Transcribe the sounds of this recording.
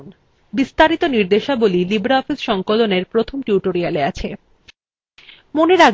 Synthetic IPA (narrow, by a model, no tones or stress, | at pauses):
n | bist̪aɾit̪oniɾd̪eʃabolilibɾaɔfisʃɔŋkoloneɾpɾot̪ʰomʈjuʈoɾialeat͡ɕʰe | moneɾaɡ